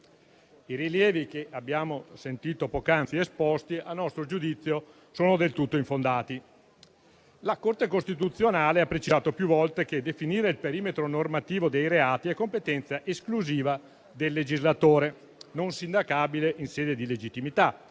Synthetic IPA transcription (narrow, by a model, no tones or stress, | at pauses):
iɾiljɛːvik̟eʔabːjaːmosent̪iːt̪opokant̪siespɔst̪ialnːɔst̪ɾod͡ʒud̪it̪sːjo | soːnod̪elt̪ut̪ːoiɱfond̪aːt̪i | lakort̪ekost̪it̪ut̪sːjonaːleapːɾet͡ʃizaːt̪opjuvɔlt̪eked̪efiniːɾeilpeɾiːmet̪ɾonormat̪iːvod̪ejɾeaːt̪iɛkːompet̪ɛnt̪saʔeskluziːva | d̪elːed͡ʒizlat̪oːɾe | nonsind̪akaːbileʔinsɛːd̪ed̪iled͡ʒit̪ːimit̪a